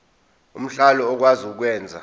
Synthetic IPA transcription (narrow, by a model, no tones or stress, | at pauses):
um̩ɬalɔːk̬wazikːk̬wɛːnd͡zʱa̰